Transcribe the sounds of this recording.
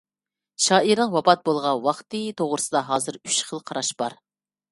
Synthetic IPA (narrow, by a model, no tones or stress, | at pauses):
ʃɑːiɾnəŋwɑpɑt̪̚bolˠʁɑnwɑχt̪ɨt̪ʰoʁɾɨsɨd̪ɑɦɑːzɨɾy̥t͡ʃχəlˠqʰɑɾɑʃb̥ɑɾ